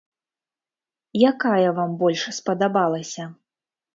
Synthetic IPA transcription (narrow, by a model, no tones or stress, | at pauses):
jakajɐvambɔlʲʂspɐd̪abalˠɐsʲɐ